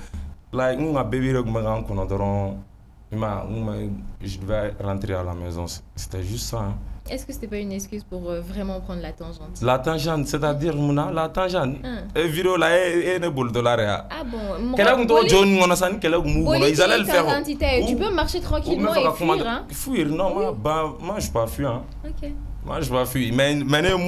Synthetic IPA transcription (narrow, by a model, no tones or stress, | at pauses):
laŋ̩ũŋabɛbiɾekũmbɛkãŋ̩kɔnɔdɔɾɔ̃ | imaŋũmɛʒidəvɛɾãt̪ɾeala̰mɛzɔ̃sse̥t̪ɛʒystsãɛskəse̥t̪ɛpaynɛskʲyzpuʁvʁɛmɑ̃pχɑ̃nlat̪ɑ̃ʒɑ̃lat̪ãʒãnsɛt̪adiɾmũnalat̪ãʒãneviɾeolaeeneboldolaɾea̰abɔ̃kɛlɛkũtɔd͡ʒonĩkɔ̃nɔ̃s̬anĩkɛlɛkũbukɔ̃nɔ̃izalɛlɛʁ̃t̪it̪ɛtypømaʁʃet̪χɑ̃kmɛ̃fakakũmãʁ̃ | fuiɾnɔ̃mãbãmãʒəpafiã | okʲe | mã̰ʒəpafɥimɛmɛne